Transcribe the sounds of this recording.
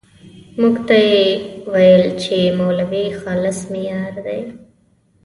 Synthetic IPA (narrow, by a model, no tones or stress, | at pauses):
muɡt̪ajewajəlt͡ʃemowlawixɑlɪsmɪjɑːɾd̪a̰j